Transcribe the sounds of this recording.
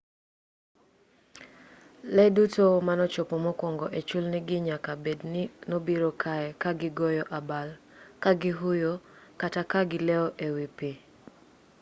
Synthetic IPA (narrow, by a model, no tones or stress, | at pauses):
lɛdutomanɔt͡ʃopomɔkɔŋɡɔʔet͡ʃulnɪɡɪɲakabednɪnobiɾokʰaɛkaɡɪɡɔjɔʔabal | kaɡɪɦujokatakaɡɪlɛɔʔewipe